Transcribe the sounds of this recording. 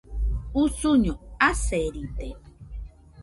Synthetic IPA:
usuɲoaseɾit̪e

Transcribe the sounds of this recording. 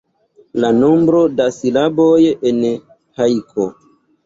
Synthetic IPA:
lano̞mbɾo̞dasilabojen | hajkʰo̰

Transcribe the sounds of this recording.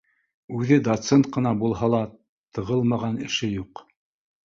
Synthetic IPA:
ʉðɘd̪ot̪sent̪̚qɤ̆nɑbulˠhɑlˠɑ | t̪ɤ̆ʁɤlˠmɑʁɑnɘ̆ʃɘjuq

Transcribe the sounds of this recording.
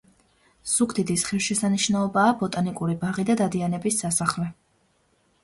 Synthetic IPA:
sukʰd̪id̪isχilʃɛsaniʃnaɔbaːbɔt̪ʼanikʼuɾibaʁid̪ad̪ad̪ianɛbisːasaχlɛ

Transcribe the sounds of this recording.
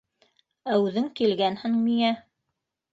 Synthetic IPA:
æʉðɘŋkilɡænhɘŋmiæ

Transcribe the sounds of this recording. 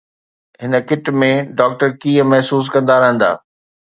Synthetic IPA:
ɦɪnə̆kɪʈmẽɖɔːk̚ʈəɾkiːə̃mɐɦsuːs̬kɐ̃nd̪aɾɐɦə̃nd̪a̰ː

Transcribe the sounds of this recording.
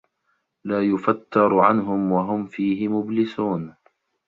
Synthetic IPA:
laːjʊfat̪ːɑɾˤʕanɦʊmwaɦʊmfiːɦɪmʊblɪsuːn

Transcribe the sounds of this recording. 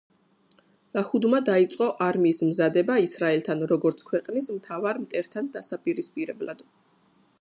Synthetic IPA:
lˠahud̪mad̪ait̪sʼqʼɔʔaɾmiːsmzad̪ɛbaisɾaɛlt̪ʰanɾɔɡɔɾt̪sʰkʰwɛqʼnismt̪ʰavaɾmt̪ʼɛɾt̪ʰand̪asapʼiɾispʼiɾɛbla̰d̪̥

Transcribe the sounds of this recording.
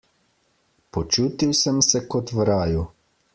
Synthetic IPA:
pɔt͡ʃuːt̪iwsəmsɛkɔt̪ʋɾaːju

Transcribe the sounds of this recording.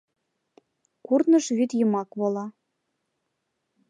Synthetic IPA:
kurnɤ̆ʃβyt̪jɤ̆mɑkβolˠɑ

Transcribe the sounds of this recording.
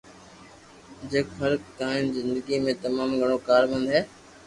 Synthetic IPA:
d͡ʑekfʰəɾkt̪aːɪnɪzɪ̃nd̪əɡimẽt̪ɐmaːmɡʱɐɽ̃okaːɾbə̃nd̪ɦɛː

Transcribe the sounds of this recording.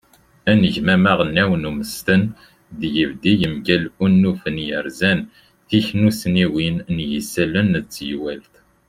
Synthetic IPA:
ænəʝmæmæʁənːæwənuməst̪ən | ðjəvd̪ijəmɡælunːufənjəɾzæn | θiçnusniwinnjəsælənət͡sːjwælt̪

